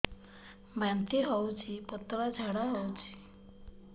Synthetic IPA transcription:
bant̪iɦɔwt͡ʃʰipɔt̪ɔɾad͡ʒʱaɽaɦɔwt͡ʃʰi̥

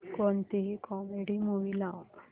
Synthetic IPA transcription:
kɔnt̪iɦikɔmeɽiːmuʋilaw

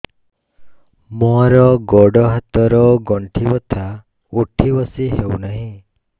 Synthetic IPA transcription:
mɔɾɔɡɔɽɔɦat̪ɔɾɔɡɔɳʈʰibɔt̪ʰa | uʈʰibɔsiɦewnaɦĩ

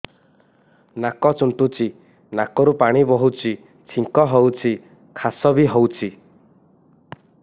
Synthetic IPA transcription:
nakɔt͡ʃuɳʈut͡ʃʰi | nakɔɾupaɽ̃ibɔɦut͡ʃʰi | t͡ʃʰiŋkɔɦɔwt͡ʃʰi | kʰasɔbiɦowt͡ʃʰi

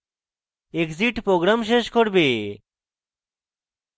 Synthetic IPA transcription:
ekziʈpɾoɡɾamʃeʃkoɾbe

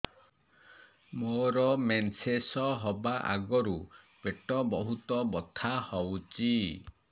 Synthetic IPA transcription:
moɾɔmensesɔɦɔbaʔa̰ɡɔɾu | peʈɔbɔɦut̪ɔbɔt̪ʰahɔwt͡ʃi

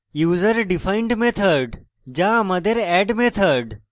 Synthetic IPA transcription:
juːzəɾɖifaɪɳɖmet̪ʰəɾɖ | d͡ʒãːmɐd̪ʱeɾɛːɖmet̪ʰəɾɖ

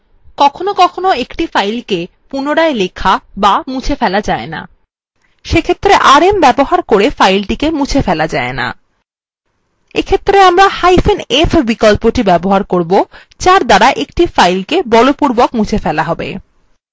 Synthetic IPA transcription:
kɔkʰonokɔkʰonoekʈifajlke | punoɽaelekʰabamut͡ɕʰefɛlad͡ʑaena̰ | ʃekʰet̪ːɾeʔaɾembɛboɦaɾkoɾefajlʈikemũt͡ɕʰefɛlad͡ʑaena̰ | ḛkʰet̪ːɾeamɾahajfenefbikɔlpoʈibɛboɦaɾkoɾbo | t͡ɕaɾd̪aɾaʔekʈifajlkebɔlopuɾbokmũt͡ɕʰefɛlaɦɔbḛ

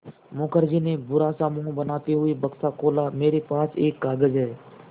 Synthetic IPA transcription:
moːkəɾd͡ʒinebʊɾasaːmuːɦbənaːt̪iɦʊibəksakoːlameːɾepaːseːkːaːɡəd͡ʒɦɛː

